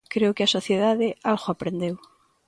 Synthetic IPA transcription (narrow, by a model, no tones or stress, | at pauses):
kɾeokasoθjeðaðealɣoapɾend̪ew